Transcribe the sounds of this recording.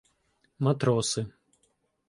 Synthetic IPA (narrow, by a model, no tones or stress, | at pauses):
mat̪ɾɔsɨ